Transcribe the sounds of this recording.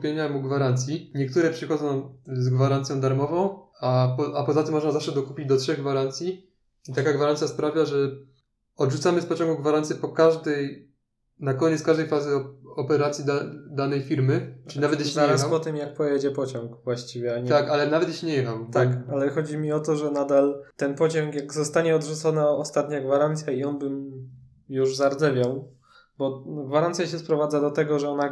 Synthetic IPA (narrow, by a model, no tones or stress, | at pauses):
pʲjeɲamuɡvaɾant̪sʲjiɲɛk̚t̪uɾɛpʂɘxɔd̪zɔ̃w̃zɡvaɾant̪sʲjɔ̃d̪aɾmɔvɔ̃w̃ | apɔapɔzat̪ɘmːɔʐnazafʂɛd̪ɔkupʲid͡ʑd̪ɔtʂɛɣɡvaɾant̪sʲji | it̪akaɡvaɾant̪sʲjaspɾavʲjaʐɛ | ɔd̪ʐut̪samɘspɔt͡ɕɔ̃ŋɡuɡvaɾant̪sʲjɛpɔkaʐd̪ɛj | nakɔɲɛt̪skaʐd̪ɛjfazɘɔɔpɛɾat̪sʲjid̪ad̪anɛjfʲiɾmɘɨinavɛt̪jɛzaɾaspɔt̪ɘmjak̚pɔjɛd͡ʑɛpɔt͡ɕɔ̃ŋkvwaɕt͡ɕivʲjɛaɲɛt̪akalɛnavɛt̪̬jɛʃɲɛjɛxamt̪akalɛxɔd͡ʑimʲiɔt̪ɔʐɛnad̪alt̪ɛnpɔt͡ɕɔŋkjaɡzɔst̪aɲɛɔd̪ʐut̪sɔnaɔst̪at̪ɲaɡvaɾant̪sʲjaiɔnbɘm | juʐzaɾd̪zɛvʲjaw | bɔɡvaɾantsʲjaɕɛspɾɔvad̪zad̪ɔt̪ɛɡɔʐɛɔna